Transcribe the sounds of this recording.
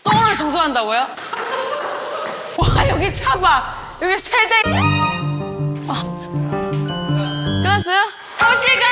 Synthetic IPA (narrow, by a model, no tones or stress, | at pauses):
t͈oŋɾɯɭsʰoŋs̬ʰoɦandaɡojo | wajʌɡit͡ɕʰaba | jʌɡisʰeɭte | ʌ | kɯɾas͈ʌjo | oɕiɡa